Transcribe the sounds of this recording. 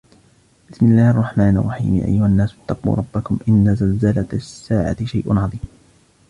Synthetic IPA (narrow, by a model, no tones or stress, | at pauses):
b̥ɪsmɪlːaːhʔɑrˤːɑħmaːnɪrˤːɑħḭːmja̰ːʔa̰jːʊhanːaːsat̪ːɑqṵːɾˤɑbːakʊmʔɪnːazalzalat̪asːaːʕa̰t̪ɪʃajʔʊnʕɑðˤiːm